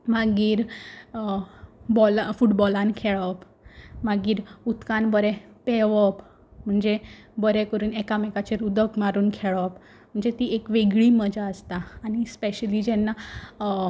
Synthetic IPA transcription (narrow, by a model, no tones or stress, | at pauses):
maɡiːɾ | bɔlfuʈbɔlãnkʰeɭəp | maɡiːɾut̪kanbəɾɛ̃peʋəp | m̤əɳd͡zebəɾɛkəɾuːnɛkamɛkat͡ɕeɾud̪ʱəkmaɾuːnkʰeɭəp | m̤əɳd͡zet̪iekʋeɡɭiːməd͡ʑaəst̪aːñispeɕəlid͡ʑɛnːa